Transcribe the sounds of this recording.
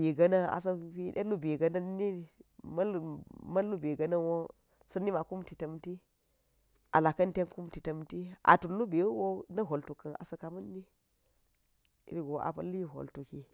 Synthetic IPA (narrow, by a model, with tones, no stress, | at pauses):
e˨ɡɐ˦na˦a̰˨s̬ɐ˦fi˦ɗḛ˦lu˦be˨ɡɐ˦na˦ni˦m˦lmɐ˦lːu˦be˨ɡɐ˦nɐ˦wo˦ | sɐ˦nːi˦ma˨ku˦mti˨tɐ˦mti˦ | ʔa˨la˨kɐ˦nte˦nku˦mti˨tɐ˦mti˦ʔa̰˨tu˨lːu˦be˨˦wo˦nɐ˦ɦo˨ltu˨kɐ˨na̰˨sɐ˦ka˨mɐ˦nːi˦ | ḭ˦ɾɡo˨ʔa̰˨pɐ˦lːi˦ɦo̰˨ltu˨ki˦